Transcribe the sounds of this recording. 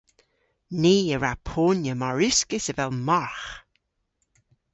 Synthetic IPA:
niːəɹapʰoːnjəmaɹʉskəsəvɛlˠmaɹx

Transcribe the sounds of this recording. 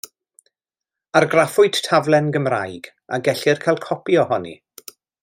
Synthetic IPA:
arɡrafʊɨd̥tʰavlˠɛnɡəmra̰jɡ̥ | a̰ɡɛɬɪrkʰajlˠkʰɔpjɔhɔnḭ

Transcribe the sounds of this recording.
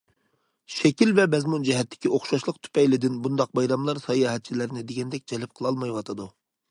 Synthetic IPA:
ʃɛkʲilvɛbɛzmund͡ʒɛɦɛt̪ːɪ̥kʲioχʃɑʃlˠəq̚t̪ʰy̥pɛjlɪd̪ɪnbund̪ɑq̚bɑjɾɑmlˠɑɾsɑjɑɦɛt̪̚t͡ʃʰilɪɾnɪd̪eɡʲɛnd̪ɛk̚ʲd͡ʒɛlɪp̚qʰəlˠɑlˠmɑjwɑt̪ʰɨd̪u

